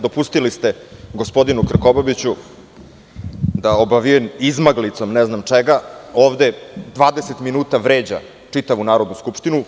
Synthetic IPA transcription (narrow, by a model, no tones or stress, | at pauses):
d̪o̞pust̪ilist̪e̞ɡo̞spo̞d̪inukr̩kobabit͡ɕu | d̪aobaʋiemizmaɡlit̪so̞mnɛznamt͡ʂeɡaoːʋd̪e̞d̪ʋaːd̪eset̪minuːt̪aʋɾeːd͡ʑa̰ | t͡ʂit̪aʋunaːɾo̞d̪nuskupʂt̪inu